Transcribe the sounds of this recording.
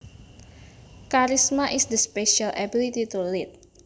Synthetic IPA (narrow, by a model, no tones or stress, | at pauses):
kaɾismaʔisd̪əspeʃalʔɛbilit̪it̪ulɪt̪̚